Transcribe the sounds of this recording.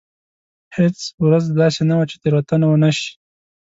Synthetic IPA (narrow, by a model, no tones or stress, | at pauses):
het͡swɾazd̪ɑsenawat͡ʃe̥t̪eɾwat̪anawənaʃi̥